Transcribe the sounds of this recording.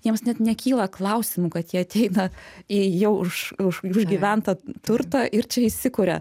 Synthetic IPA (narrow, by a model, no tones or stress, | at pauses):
jiɛmsnʲɛt̪nʲɛkʲiːlˠɐklˠɐʊsʲɪmuːkɐt̪jiɛɐt̪ʲɛɪnɐijɛʊʊʃʊʃʊʒʲɡʲiʋʲɛnt̪ɐt̪ʊɾt̪ɑʔɪɾt͡ʃʲɛɪsʲɪkʊɾʲɛ̰